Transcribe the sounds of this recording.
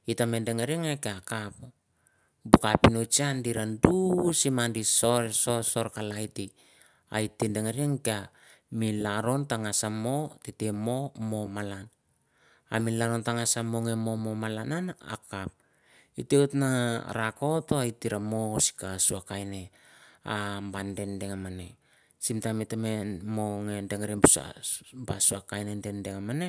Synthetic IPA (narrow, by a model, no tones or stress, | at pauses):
itame̞ndeŋeɾieŋekeakapo | bokapinot͡ʃiandiɾandusimandisoɾso̞so̞ɾkalajti | a̰itindeŋaɾiaŋkea | milaɾo̞ntaŋasamo̞titemo̞mo̞malan | a̰milaɾo̞ntaŋasamoŋe̞mo̞mo̞malanana̰kap̚ | iteutnaɾako̞toaitiɾamo̞si̥kasuakajne̞ | a̰mbande̞nde̞ŋamane̞ | simtametamemoŋe̞ndeŋeɾebusa̰basuakajnende̞ndeŋamane̞